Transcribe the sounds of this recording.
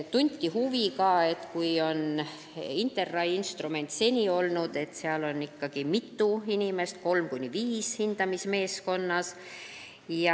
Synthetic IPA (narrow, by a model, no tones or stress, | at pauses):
t̪unʲt̪ʲːiɦuvikɑe̞t̪kujo̞n | int̪ˑe̞rːɑjinst̪rume̞nʲt̪se̞nʲio̞lnud̪̥e̞t̪seɑlo̞nːikːɑɡ̥imit̪ːˑuinʲime̞st̪ko̞lmkunʲːiviːshind̪̥ɑmisme̞ːsko̞nːɑs | jɑ